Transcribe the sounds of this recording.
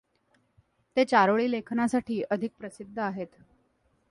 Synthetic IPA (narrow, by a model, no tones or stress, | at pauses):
t̪et͡ɕaɾoɭiːlekʰnasaʈʰiːʔəd̪ʱik̚pɾəsid̪ʱːəaɦet̪